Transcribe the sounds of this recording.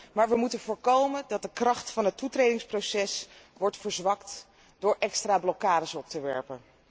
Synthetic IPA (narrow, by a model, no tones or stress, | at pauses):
maːɹʋəmutənvʊːɹkowməndɑt̚dəkrɑχtfɑnɦətutrejdɪŋsprowsɛsʋɔɹtfəɹzʋɑkt | dʊːɹʔɛkstraːblɔkaːdəsɔp̚təʋɛ̰ɹpən